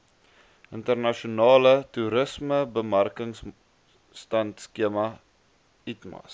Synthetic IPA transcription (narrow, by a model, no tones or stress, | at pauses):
ʔəntərnɐʃonɑːlətuɾəsməbəmærkəŋs | tɐntskiəmɐ | itmɐ̰s